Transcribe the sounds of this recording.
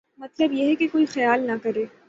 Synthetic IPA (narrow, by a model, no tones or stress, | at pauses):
mɐt̪ləbjeɦɛkekoːixɐjaːlnɐkɐɾeː